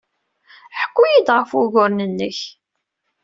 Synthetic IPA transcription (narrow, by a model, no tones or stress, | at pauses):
ħə̥kʷːujid̪ʁəfʊʝʊɾnənːəç